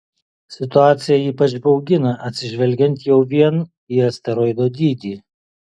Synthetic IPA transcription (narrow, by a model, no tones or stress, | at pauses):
sʲɪt̪ʊɑːt̪sʲɪjɛiːpɐt͡ʃbɐʊɡʲɪnɐʔɐt̪ʲsʲɪʒʲʋʲɛlʲɡʲɛnʲˑt̪jɛʊʋʲiɛn | iːɐsʲt̪ʲɛɾɔɪd̪oːd̪ʲiːd̪ʲiː